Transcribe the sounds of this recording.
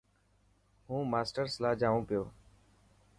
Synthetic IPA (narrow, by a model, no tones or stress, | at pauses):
ɦũːmaːsʈəɾslaːd͡ʒaːʋũːpɪjoː